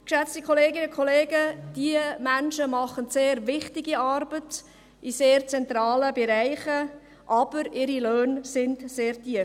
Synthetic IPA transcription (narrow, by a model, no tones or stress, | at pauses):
kʃɛt͡stikʰχɔleːɡɪnəkʰɔleːɡəd̥iəmænʃəmɑχənseːɾʋɪχtiɡiɑɾb̥ət | ʔiseːrt͡sɛntɾɑːləbɛɾæɪχə | ʔɑb̥əɾɪɾiløːnsɪndseːɾtiəf